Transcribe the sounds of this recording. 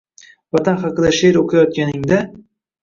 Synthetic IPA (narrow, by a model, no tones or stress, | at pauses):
vɒt̪ʰanχɑqɨd̪aʃeɾoqʰɑjɒt̪̚kʲanɪŋd̪a